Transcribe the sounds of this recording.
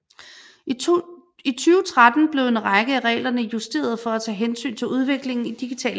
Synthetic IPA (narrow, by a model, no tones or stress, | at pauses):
it͡sʰyːʊət͡sʰʁad̥n̩b̥le̝ʊe̝nʁɑɪɡ̥əæʁɛ̰ːlɐnəjusd̥e̝̰ːɐð̞ˠfɒ̽æt͡sʰɛ̰ːɦensy̰ːnt͡sʰe̝luð̞ˠʋe̝ɡ̥le̝ŋn̩id̥iɡ̥it͡sʰɛ̰ːl